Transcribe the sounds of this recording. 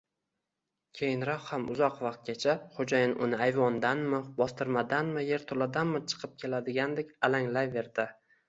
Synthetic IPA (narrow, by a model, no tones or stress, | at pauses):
kʲʰe̞jɪnɾɒχhamʊzɒqvaqt̪̚ɡʲat͡ʃʰaχod͡ʒajɪnʔʊnɪajvɒnd̪anmɪbɒst̪ɪɾmad̪anmɪje̞ɾt̪ʰolad̪anmɪt͡ʃʰɨ̥qʰɨp̚kʲʰe̞lad̪ɪɡʲand̪ekʲalaŋlajve̞ɾd̪ɪ